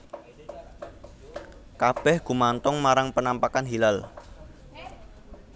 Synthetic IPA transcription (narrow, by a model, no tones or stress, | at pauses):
kab̥ɛhɡ̥ṳmant̪ɔŋmaɾaŋpənampakanɦilal